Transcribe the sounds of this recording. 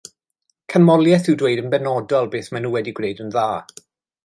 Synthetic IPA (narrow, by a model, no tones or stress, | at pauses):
kʰanmɔlˠjɛθɪwdweɨdənbɛnɔdalˠbeːθmanuːwɛdiɡrejdənðaː